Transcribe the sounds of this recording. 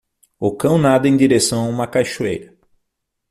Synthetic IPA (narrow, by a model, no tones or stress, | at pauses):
okɐ̃w̃nad̪ʊẽj̃d̪iɾesɐ̃w̃aũmɐkajʃuḛjɾɐ